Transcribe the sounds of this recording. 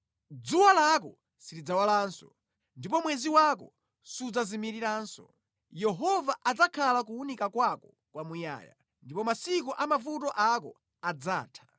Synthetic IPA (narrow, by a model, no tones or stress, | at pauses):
d͡zuwalak̬ɔ | siɾid͡zawalaːnsɔ | ndipɔmwɛziwakɔ | sud͡zazimiɾiɾansɔ̰ | jɛɦɔvaʔad͡zakʰalak̬uunikakwakɔ | kwamuja̰ːja̰ | ndipɔmasik̬ɔʔamavut̬ɔʔakɔ | ad͡za̰ːtʰḁ